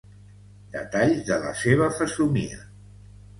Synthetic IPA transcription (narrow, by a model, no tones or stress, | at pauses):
d̪̥ə̰t̪aʎzðələ̰seβ̞əfəsumḭə̰